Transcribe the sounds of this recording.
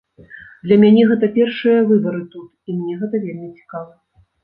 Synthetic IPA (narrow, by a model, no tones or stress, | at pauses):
d̪lʲɐmʲanʲɛɣɛt̪ɐpʲɛrʂɨjɐvɨbɐɾɨt̪ut̪imnʲɛɣɛt̪ɐvʲelʲmʲit͡sʲi̥kavɐ